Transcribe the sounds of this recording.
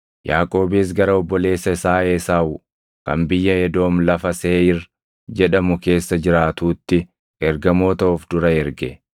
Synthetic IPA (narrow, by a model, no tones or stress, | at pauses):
jaːkʼo̞ːbeːs̬ɡɐɾɐɔbːɔle̞ːsːɐɪsaːeːsaːʊ | kɐnbɪjːɐjɛd̪o̞ːmlɐfɐseːɪr | d͡ʒɛᶑɐmʊke̞ːsːɐd͡ʒɪɾaːt̪uːt̪ːɪ | ɛɾɡɐmoːt̪ɐɔfd̪ʊɾɐɛɾɡɛ